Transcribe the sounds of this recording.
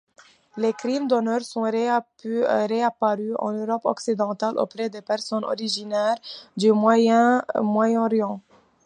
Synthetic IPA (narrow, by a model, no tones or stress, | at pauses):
lekχimd̪ɔnœʁsɔ̃ | ʁeapaʁyɑ̰̃nøʁɔpɔ̰ksid̪ɑ̃t̪alʔo̰pχɛd̪epɛʁsɔnɔ̰ʁiʒinɛʁd̪ymwajɛ̃mwajɛ̃ʁjɑ̃